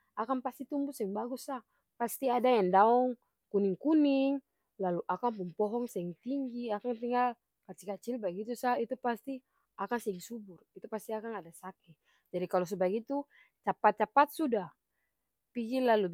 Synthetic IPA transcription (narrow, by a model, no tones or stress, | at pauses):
akanpast̪it̪umbusɛŋbaɡusah | past̪iadajaŋdaɔŋ | kuniŋkuniŋ | laluʔakaŋpumpɔɦɔŋsɛŋt̪iŋɡiakaŋt̪iŋal | kat͡ʃikat͡ʃilbaɡit̪usait̪upast̪i | akaŋsɛiŋsuburit̪upast̪iakaŋadasakɛ | d͡ʒadikalɔs̬ɛbaɡit̪u | t͡ʃapat̪̚t͡ʃapat̪̚sudah | piɡilalu